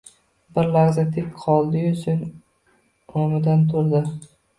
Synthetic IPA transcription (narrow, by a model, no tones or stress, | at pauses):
bɪɾlaɾzat̪ʰɪkʲqʰɒlˠd̪ɪjʊsʰʊn | omɪd̪ant̪ʰʊɾd̪ɪ